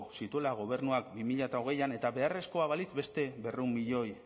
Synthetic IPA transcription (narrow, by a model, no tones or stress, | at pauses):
sit̪ue̞laɣ̞o̞β̞e̞ɾnuak̚bimiʎat̪aoɣ̞e̞jane̞t̪aβe̞are̞sko̞aβalizbe̞st̪e̞βe̞reumbiʎo̞j